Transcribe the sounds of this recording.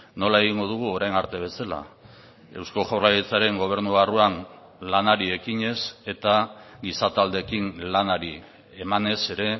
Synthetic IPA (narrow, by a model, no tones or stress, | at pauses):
no̞lae̞ɣ̞iŋɡo̞ð̞uɣ̞uo̞ɾajnaɾt̪e̞β̞e̞sala̰ | e̞̰wsko̞ʝawrlajet͡saɾe̞ŋɡo̞β̞e̞ɾnuɣaruan | lanaɾie̞kiɲe̞se̞t̪aɡisat̪ald̪e̞kiŋlanaɾi | emane̞se̞ɾe̞